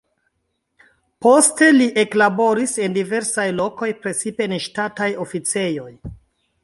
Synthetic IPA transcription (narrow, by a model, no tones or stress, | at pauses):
po̞ste̞liʔe̞klabo̞ɾise̞ndive̞ɾsajlo̞ko̞jpɾe̞t͡sipe̞nʃtatajo̞fit͡se̞jo̞j